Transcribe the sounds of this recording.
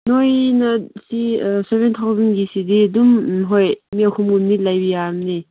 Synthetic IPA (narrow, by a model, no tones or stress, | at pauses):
nojnɐsisebent̪ʰawzɐnɡisididumɦojmiɐkʰumumnilajbijamni